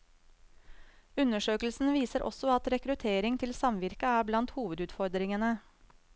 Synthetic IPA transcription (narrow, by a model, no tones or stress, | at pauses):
ʉnəʂøːkəl̩sn̩ʋiːsəɾʔɔ̰sɔɑt̪ɾɛkɾʉt̪ʰeːɾɪŋt̪ʰɪlsɑmʋɪɾkəæːblɑnt̪huːʋəd̪ʉːd̪fɔɾd̪ɾɪŋənə